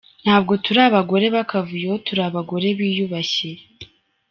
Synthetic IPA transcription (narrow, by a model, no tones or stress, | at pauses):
n̥haːb̚ɡo̞tuɾaβaɡo̞ɾe̞βakavujootuɾaβaɡo̞ɾe̞βiːjuβaɕe